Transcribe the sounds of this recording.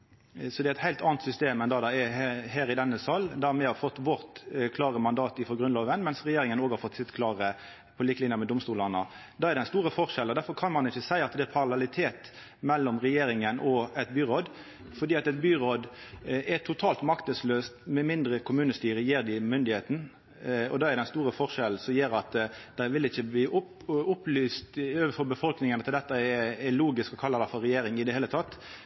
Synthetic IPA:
sɔd̪ɛæɪt̪hæɪlt̪ɑːnt̪sʏst̪eːmɛnd̪ɑd̪ɑɛɦeːɾɪd̪ɛnːəsɑlːd̪æmɛhɑɾfɔt̪ːʋɔʁt̪kʰlɑːʁəmɑnd̪ɑːt̪ɪfɔʁɡɾʉnloːʋənmɛnsʁɛjeːɾɪŋənoːɡhɑɾfɔt̪ːsɪt̪kʰlɑːʁə | pʰɔliːkəlɪnjəmɛd̪ʊmst̪uːlɑnə | d̪ɑːæɾd̪ɛænst̪uːɾəfɔʁʃɛlɔd̪æɾfɔɾkʰɑnmɑnɪçːəsæɪɑt̪d̪ɛæpʰɑʁɑlɛlɪt̪ʰeːt̪ | mɛlːɔmʁɛjeːɾɪŋənʔɔɛt̪̚byːɾɔːd̪ | fɔɾɖiːɑt̪ɛt̪̚byːɾod̪ʔɛt̪ʰʊt̪ʰɑːlt̪mɑkt̪əsløːst̪mɛmɪnd̪ɾəkʰʊmʉːnəst̪yːɾəjeːɾd̪ɪmʏnd̪ɪheːt̪n̩ | ɔ̰d̪ɑːɛɾd̪ɛnst̪uːɾəfɔɾʃɛl̩sɔmjeːɾɑt̪d̪̥æɪʋɪlɪçːəb̪iːʔʊp | ʊpːlyːst̪øːʋəfɔɾbəfɔlknɪŋənɑt̪d̪ɛt̪ːəɛɛluːɡɪskɔkʰɑlːəd̪æɪfɔɾːɛjeːɾɪŋɪd̪ɛheːlət̪ʰɑt̪ː

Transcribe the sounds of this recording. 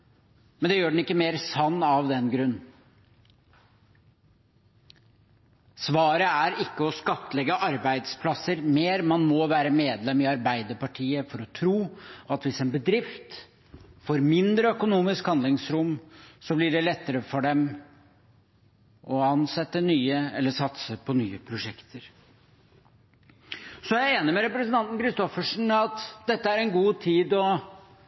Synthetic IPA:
mɛnd̪ɛjøːɖɳ̩ɪkːəmeːɾsɑnːɑʋd̪ɛnɡɾʉnː | sʋɑːɾəæɾɪkːəɔskɑt̪ːəlɛɡəʔɑɾbæɪd̪spʰlɑsːəɾmeːɾmɑnmɔʋæːɾəmeːd̪lɛmɪɑɾbæɪd̪əɾpɑʈʰiːəfɔɾɔt̪ʰɾuːɑt̪ʋɪsɛnbəd̪ɾɪft̪ | foːɾmɪnd̪ɾəœkʊnuːmɪskhɑnd̪lɪŋsɾʊmsɔblɪɖɛlɛt̪ːəɾəfɔɖɛm | ʔɔɑnsɛt̪ːənyːəɛ̰lːəʂɑt̪səpʰɔnyːəpʰɾʊʂɛkt̪ʰəɾ | sɔjæɪeːnɪmɛɾɛpɾəsənt̪ɑnt̪n̩kʰɾɪst̪ɔfəʂɳ̩ɑt̪d̪ɛt̪ːəæɾɛnɡuːt̪ʰiːd̪ɔ

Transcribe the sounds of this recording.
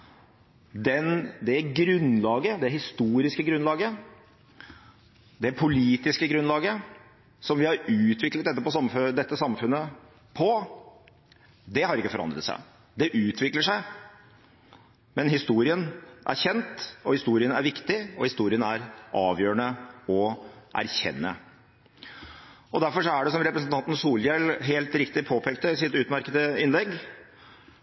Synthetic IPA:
d̪ɛnd̪ɛɡɾʉnlɑːɡəd̪ɛɦɪst̪uːɾɪskəɡɾʉnlɑːɡə | d̪ɛpʰʊliːt̪ɪskəɡɾʉnlɑːɡə | sɔmʋɪhɑɾʉːt̪ʋɪklət̪̚ɛt̪ːəpɔsɑmd̪ɛt̪ːəsɑmfʉnːə | pʰɔ | d̪ɛhɑɾɪkːəfɔɾɑ̰nd̪ɾə̰t̪sæ̰ɪ | d̪ɛʔʉːt̪ʰʋɪkləʂæɪ | mɛnɦɪst̪uːɾɪənʔæ̰ɾçɛnt̪ɔhɪst̪uːɾɪənæɾʋɪkt̪ɪɔhɪst̪uːɾɪənæɾʔɑːʋjøːɾəɳəɔʔæ̰ɾçɛ̰nːə̰ | ɔd̪æɾfɔɾʂɔæɖɛsɔmɾɛpɾəsn̩t̪ʰɑnt̪n̩suːljɛlɦeːlt̪ɾɪkt̪ɪpʰoːpʰɛːkt̪əɪsɪt̪ʉːt̪mæɾkəd̪əɪnlɛɡ

